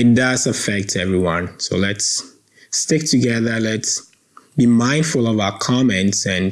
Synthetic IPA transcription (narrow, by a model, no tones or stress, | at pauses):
ɨt̚d̥ʌzɨfɛk̚tʰɛvɹiwʌ̃nsoʊlɛts | tɪk̚tʰɨɡɛðə˞lɛts | b̥imãɪ̃nd̥fʊlˠʌvaʊə˞kʰɑmɛ̃ntsɨ̃n